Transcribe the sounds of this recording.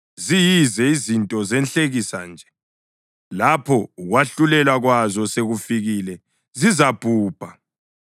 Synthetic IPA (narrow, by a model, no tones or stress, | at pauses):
zijizɛizintʼɔzɛnɬʼeɣisa̰nd͡ʒʱɛ̥ | lapʰɔuɣwaɬulɛlwaɣwazɔseɣufiɣilɛ | zizab̥ʱuːb̥ʱa